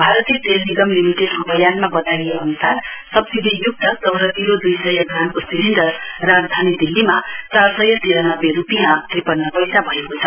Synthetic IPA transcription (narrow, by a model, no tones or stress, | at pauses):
bʱaɾʌt̪it̪elniɡʌmlimiʈeɖɦʌbʌjanmabʌt̪ajeʌnusarsʌbsid̪ʱijuk̚t̪ʌt͡sʌwɾʌt̪iɾod̪ujsʌjʌɡramkosiliɳɖʌrrad͡zd̪ʱanid̪ilːimat͡sarsʌjʌt̪eɾʌnʌbːerupijãt̪ripʌnːʌpʌjsabʱʌekot͡sʰʌ̥